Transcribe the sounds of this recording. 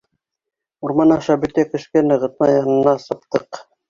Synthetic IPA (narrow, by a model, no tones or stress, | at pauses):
uɾmɑnɑʃɑbɘ̆t̪ækɵ̆ʃkænɤ̆ʁɤ̆t̪̚mɑjɑnɤ̆nːɑsɤ̆p̚t̪ɤq